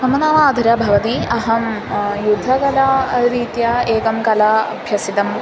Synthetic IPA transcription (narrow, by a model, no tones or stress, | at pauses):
ɐmɐnaːmaːd̪ʱɐɾjɐbʱɐʋɐt̪iɐɦɐm | jud̪ʱːɐkɐlaːɾiːt̪jɐeːkɐmkɐlaɐbʱjɐsit̪ɐm